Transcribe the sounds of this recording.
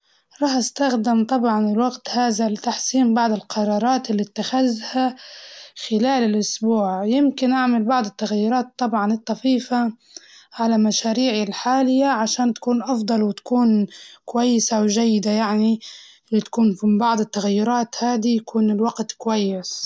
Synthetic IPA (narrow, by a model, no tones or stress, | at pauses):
ɾˤɑːħʔast̪axd̪ɪmt̪ˤɑbʕɑnɪlwaɡt̪haːðalɪt̪aħsiːmbɑʕd̪ˤɪlqʰɑɾˤɑːɾˤɑːt̪ɪlːit̪ːaxazha | xɪlaːlɪlʔʊsbuːʕjɪmkɪnʔaʕmalbɑʕd̪ˤɪt̪ːaɣajːʊɾˤɑːt̪ˤːɑbʕɑnɨt̪ˤːɑfiːfa | ʕalalmaʃaːɾiːʕɪlħaːlɪjːaʕaʃaːnt̪ḁkuːnʔɑfd̪ˤɑlwɪt̪ḁkuːnkwajːɪsawʒajːɪd̪ajaʕniʔɪlːit̪ḁkuːnfbɑʕd̪ˤɪt̪ːaɣajːʊɾˤɑːt̪haːd̪ijakuːnɪlwaɡt̪kwajːɪs